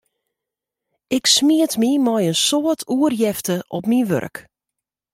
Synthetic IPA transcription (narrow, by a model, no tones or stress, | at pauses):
ɪksmiətmimɔjənsoətʰuərjɛftəʔɔpmiʋø̰rk